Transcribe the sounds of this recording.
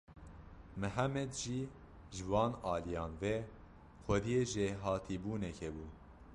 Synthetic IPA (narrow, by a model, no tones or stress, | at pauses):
mɨɦæmɛd̪ʒiː | ʒɨvɑːnɑːlijɑːnvɛ | xʷɛd̪ijeʒeɦɑːt̪ʰiːbuːnɛkʰɛbuː